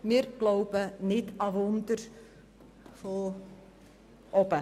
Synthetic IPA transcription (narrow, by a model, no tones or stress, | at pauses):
miːrklowpənitɑʋɔntər | folˠ | ʔɔpə